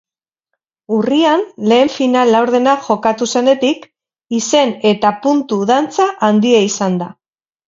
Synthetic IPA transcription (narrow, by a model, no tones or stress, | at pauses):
urianle̞ːɱfinalːawɾðe̞naʝo̞kat̪use̞ne̞t̪ik | ise̞ne̞t̪apunt̪uðant͡saʔand̪ieisand̪a